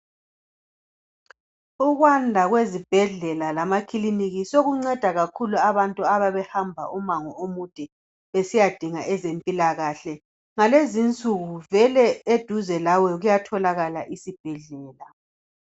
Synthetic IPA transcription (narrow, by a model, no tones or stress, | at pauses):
uɣwandʱaɣwezib̥ʱɛɮɛlalamakʰiliniɣisoɣuŋ͡ǀɛd̥ʱaɣakʰuluaβantʼuaβaβɛhambʱa̰ʔumaŋɔomud̥ʱɛ | esijad̥ʱiŋaʔɛzempʼilaɣaɬɛ | ŋalezint͡sʼuɣuvɛlɛed̥ʱuzɛlawɛɣujatʰɔlaɣala̰ʔisib̥ʱɛɮɛːla